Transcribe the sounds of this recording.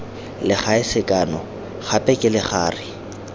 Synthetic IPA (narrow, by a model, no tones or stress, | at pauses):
lɪχaɪsɪkʼanɔ | χapʼɛkʼɪlɪχaːrɪ